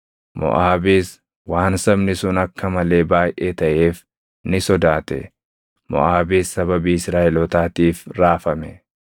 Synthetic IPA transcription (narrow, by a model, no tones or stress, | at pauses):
mɔ̰ʔaːbiːs | waːnsɐbnɪsʊnɐkːɐmɐle̞ːbaːjʔeːt̪ɐʔe̞ːf | nɪsɔd̪aːt̪ɛ̰ | mɔ̰ʔaːbiːsːɐbɐbiːɪsɾaːʔɛlɔt̪aːt̪iːfɾaːfɐmɛ